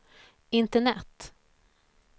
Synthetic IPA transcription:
ɪnt̪əɳɛt̪ː

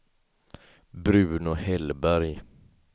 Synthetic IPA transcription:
bɾʉːnʊhɛlbæɾj

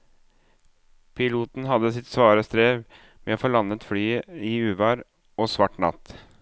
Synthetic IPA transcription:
pʰɪluːt̪n̩ɦɑd̪əsɪt̪sʋɑːɾəst̪ɾeːʋ | mɛoːfɔɭɑnːət̪flyːəiʉːʋɑɾ | oːsʋɑʈnɑ̰t̪

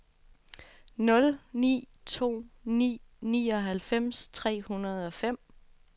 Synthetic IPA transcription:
nɔ̽lnḭː | t͡sʰo̝̰ːnḭːniːɒ̽ɦælfem̰st͡sʰʁɛ̰ːhunɐð̞̩ˠɒ̽fem̰

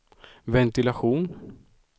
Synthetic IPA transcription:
vɛnt̪ɪlaɧuːn

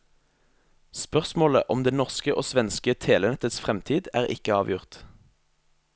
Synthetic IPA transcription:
spœʁsmoːlə̰ʔɔmd̪eːnɔʁskəʔo̰ːsʋɛnskət̪ʰeːlənɛt̪ət̪sfʁɛmt̪ʰiːd̪æːʁɪ̰kəɑːʋjʊʁt̪

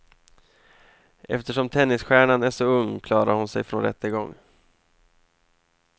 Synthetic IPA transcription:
ʔɛ̰ft̪əʂɔmt̪ʰɛnːɪsɧæːɳanæʂɔɵŋːkʰlɑːɾa̰ɾhʊnsɛ̰jfɾonɾɛ̰t̪ːəɡɔŋː

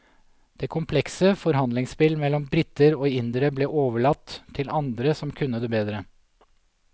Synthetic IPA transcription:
d̪̥ɛːkʰʊmpʰlɛksəfɔɾɦɑnd̪lɪŋspɪlmɛlːɔmbɾɪt̪ːəɾoːɪnd̪ɾəbleːʔoːʋəɭɑt̪ʰːɪlʔɑnd̪ɾəsɔmkʰʉnːəd̪eːbeːd̪ɾə

